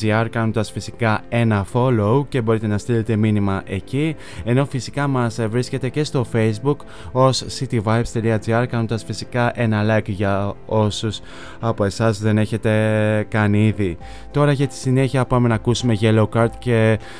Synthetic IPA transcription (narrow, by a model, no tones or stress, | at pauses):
iɐɾkɐnond̪ɐsfisikɐe̞nɐfo̞louce̞bo̞ɾit̪e̞nɐst̪ilet̪e̞minimɐʔe̞ci | e̞no̞fisi̥kɐmɐsvɾisce̞t̪e̞ce̞st̪o̞fe̞jzbuk | o̞sːit̪ivɐjbst̪eliɐd͡ziɐɾkɐnond̪ɐsfisikɐʔe̞nɐlɐkʝɐ | o̞sus | ɐpo̞e̞sɐzðe̞ne̞çe̞t̪e̞kɐniði | t̪o̞ɾɐʝɐt̪i̥sine̞çiɐpɐme̞nɐkusume̞ʝelokɐɾt̪ce̞